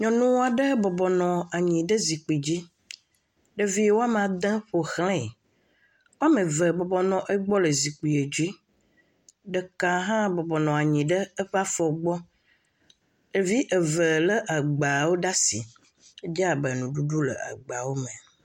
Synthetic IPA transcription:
ɲɔ̃˨nũ˦wa˨ɖə˦bɔ˨bɔ˨nɔ̃˨a˨ɲĩ˨ɖə˦zi˨k͡pi˨d͡ʑi˦ | ɖə˦vi˦wo˦a˦m˨ã˨d̪ə̃˦ɸo˨xlẽ˦˨ | wo˦a˦mə̃˨və˨bɔ˨bɔ˨nɔ̃˨ʔe˦ɡ͡bɔ˦lə˨zi˨k͡pi˨e˨d͡ʑi˦ | ɖə˦ka˨ɦã˦bɔ˨bɔ˨nɔ̃˨a˨ɲĩ˨ɖə˦ə˦ɸa˦fɔ˨ɡ͡bɔ˦ | e˨vi˦ʔə˨və˨lə˦ʔa˨ɡ͡ba˨wo˦ɖa˦si˨ | e˦d͡ʒa˨bə˨nũ˨ɖu˦ɖu˦lə̰˨a̰˨ɡ͡ba˨wo˦mẽ˨

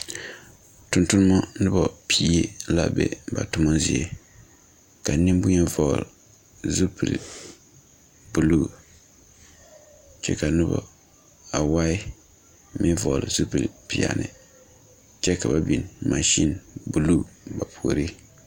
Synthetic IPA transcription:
tʊ˨ntʊ˦nɨ˦mɔ˦nɨ˦bɔ˨pʰiː˦e˦la̰˦bɛ̰˦ba̰˨tʊ˦ma˦zɪ˨ɛ˨ | ka˨nɪ˦m˦bʊ˦ɲɛ˦vɔ˨l | zu˦pɨ˨l | bu˨luː˦ | t͡ʃɛ̰˦ka˨nʊ˦bɔ̰˨ | a˨wa˦ɪ˦ | mi˦vɔ˨lɨ˨zu˦pɨ˨lpi˨a̰˨nʔɨ̰˨ | t͡ʃɛ˦ka˨ba˦bi˨nma˨ʃi˦nbu˨lu˦˨ba˨pʰu˨ɾi˦

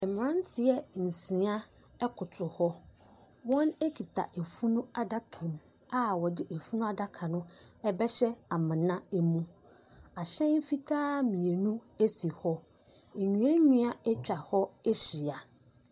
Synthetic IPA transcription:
ɛ˨mɪ̃˨ɾã˦n˦tʰɪ˨ɛ˦n̩˨sĩ˨˦a˦ | ɛ˦kʰʊ˨tʰʊ˨hɔ˦ | wɔ̃˦ne˦kʰi˨tʰa̰˨ʔe˨fu˦nũ˦a˨da˦kʰɛ̃˨m | a˦wɔ˨dɪ˦ʔe˨fu˦nũ˦a˦da˦kʰã˨nʊ̃˦ɛ˦bɛ˦ɕɛ˦a˨mã˨nã˦ɛ˦mũ˦ | a˨ɕɛ̃˦m̩˦fi˦tʰaː˦mĩ˨e˨nũ˦e˦si˨hɔ˦ | ɛ˨ɲũ˨˦ɛ̃˦ɲũ˦a˦ɛ˦t͡ɕᶣa˨hɔ˦e˦ɕi˨a˨

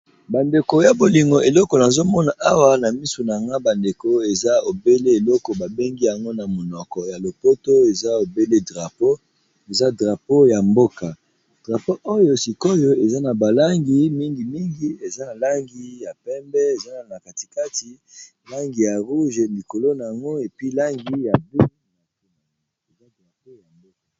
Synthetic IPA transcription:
ba˨nde˨ko˨ja˨bo˨li˨ŋɡo˨e˨lɔ˦kɔ˨na˨zo˦mɔ˦na˨ʔa˦wa˦na˨mi˦su˨na˨a˨ŋɡa˦ba˨nde˨ko˦e˨za˦o˨be˦le˦e˨lɔ˦kɔ˨ba˨be˦ŋɡi˦ja˨ŋɡo˦na˨mo˨nɔ˨kɔ˨ja˨lo˨po˦to˦e˨za˦o˨be˦le˦dʁa˨po˦ | e˨za˦dʁa˨po˦ja˨mbo˦ka˨ | d̥ʁa˨po˦ʔo˦jo˦si˨ko˦jo˦e˨za˦na˨ba˨la˦ŋɡi˦mi˦ŋɡi˨mi˦ŋɡi˦e˨za˦na˨la˦ŋɡi˨ja˨pɛ˦mbɛ˦e˨za˦na˨na˨ka˨ti̥˨ka˦ti˦ | la˦ŋɡi˨ja˨ʁu˦ʒe˨li˨ko˨lo˦na˨ja˨ŋɡo˦e˨pi˦la˦ŋɡi˦ja˨bi˦˨na˨o˨n˨˦e˨za˦dʁa˨po˦ja˨mbo˦ka˨

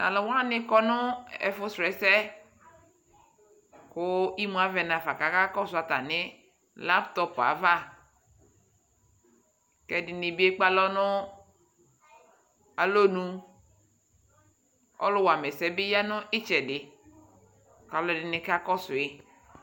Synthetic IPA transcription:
na̰˨lɔ˨wa˦nɪ̃˦kɔ˦nʊ˦ɛ̰˨fʊ˦sɾɛ˨sɛ˦ | kʊ˦i˦mũ˨a˦vɛ˨nã˨fa˨ka˨˦ka˦kɔ˦sʊ˨˦a˨t̪a̰˨nɪ˦ | la˦pt̪ɔ˦pa̰˨va˦ | kɛ˨dɪ˨nɪ˨bi˦e˦k͡pa˦lɔ˦nʊ˦ | a˨lo˦nũ˦ | ɔ̰˦lʊ˦wa˨mɛ˨sɛ˦bɪ˦ja˦nʊ̃˦ʔɪ˦t͡ʃɛ˨dɪ˨ | ka˨˦˨lɔ˦˨dɪ˨nɪ̃˨ka˦kɔ˦sʊ˨e˦

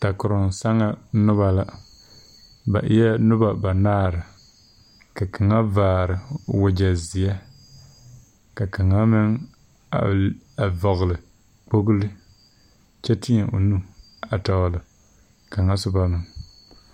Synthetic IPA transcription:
ta˨kʊ˨ɾʊ˨nsa˦ŋa˦nʊ˦βa˨la˦ | ba̰˨ʔɪ˦jɛ˦nʊ˦ba˨ba˨naː˦˨ɾɨ˨ | ka˨ka˨ŋa˦vaː˨ɾɨ˨wʊ˨d͡ʒa˨zɪ˨ɛ˦ | ka˨ka˨ŋa˦mɪ˦ŋ | a̰˨a˨vɔ˨ɣlɨ˨ | k͡po˦ɣʊ˦lɨ˦ | t͡ʃɛ˦tɪ˦ɛ˨ʔo̰˨nu˦ | a˨ta˨wlɨ˨ | ka˨ŋa˦sʊ˦ba˦nɨ˨ŋ

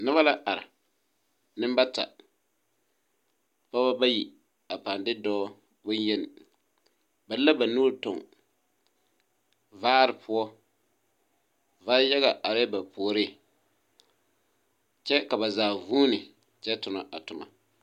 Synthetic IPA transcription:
nɨ˦βa˦la˦ʔa˨ɾɪ̰˨ | nɨ˦mba˦ta̰˨ | pa˦ba˦ba˦ji˨ | a˨pa˨ndɪ˦dɔː˦ | bʊ˦njɛ˦nɪ̰˨ | ba˨˦la˦ba˨nuː˦ɾtʊ˨ŋ | vaː˦ɾɪ˨pʊ˦ɔ˦ | vaː˦ja˦ɣa˨ʔa˨ɾɛ˦ba˨poː˨ɾe˦˨ | t͡ʃɛ˦ka˨ba˨zaː˨vuː˦nɪ˨ | t͡ʃɛ˦tʊ˨na̰˨ʔa˨tʊ˨ma̰˨

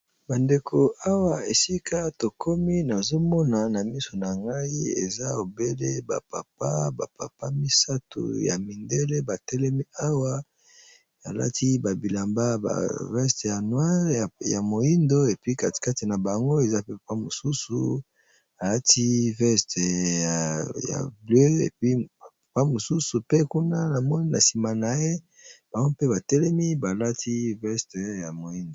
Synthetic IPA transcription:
ba˨nde˨kʰo˨a˦wa˨e˨si˦kʰa˦to˨kʰo˦mi˦na˨zo˦mɔ˦na˨na˨mi˦so˨na˨ŋɡa˦i˦ḛ˨za˦o˨be˦le˦ba̰˨pa̰˨p̚a˦ba˨pa˨pa˦mi˦sa˦to̰˨ja̰˨mi˨nde˦le˦ba˨tɛ˦lɛ˦mi˦a˦wa˦ | a˨la̰˦ti˦ba˨bi˨la˨mba˦ba̰˨vɛ˦ste˨ja˨nwa˦ʁja˨mo˨i˦ndo˦e˨pi˦ka˨tka˦ti˨na˨ba˨ŋɡo˦e˨za˦pe˦pa˨pa˦mo˨su˦sṵ˨ | a˨la˦tʰi˦vɛ˦ste˨ja˨ja̰˨blø˦ḛ˨pi˦˨pa˨pa˦mo˨su˦su˨pe˦ku˦na˦na˨mɔ˦ni˦na˨si˨ma˨na˨je˦ | b̥a˨ŋɡo˦pe˦ba˨tɛ˦lɛ˦mi˦ba˨la˦tʰi˦vɛ˦stja˨mo˨ji˦ndo˨

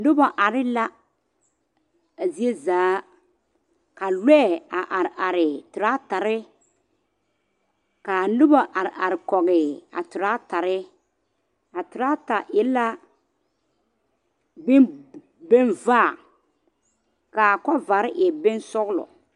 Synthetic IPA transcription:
nʊ˦ba˨ʔa˨ɾɪ˦la˦ | a˨zi˦e˦zaː˨˦ | ka˨lɛː˦˨a˨ʔa˨ʔa˨ɾɪ˨tʊ˨ɾa˦ta˨ɾɪ˦ | ka˨nʊ˦ba˨ʔa˨ɾɪ˨a˨ɾɪ˨kɔ˨ɣɪ˨a̰˨tʊ˨ɾa˦ta˨ɾɪ˦ | a˨tʊ˨ɾa˦ta˨jɛ˦la˦ | bɪ˦ | bɪ˦nvaː˦˨ | ka˨kɔ˦va˨˦ɾɪ˦ʔɛ˨bɪ˦nsɔ˦ɣlɔ̰˨

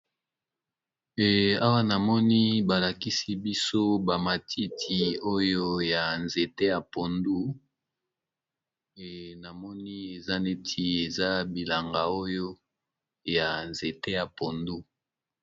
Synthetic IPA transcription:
a˦wa˦na˨mɔ˦ni˦ba˨la˨ki˦si˦bi˦so˦ba˨ma˨tʰi˦tʰi˨o˦jo˦ja˨nze˨te˦ja˨po˨ndu˦˨ | na˨mɔ˦ni˦e˨za˦ne˦tʰi˨e˨za˦bi˨la˨ŋɡa˨o˦jo˦ | ja˨nze˨te˦ja˨po˨ndu˦

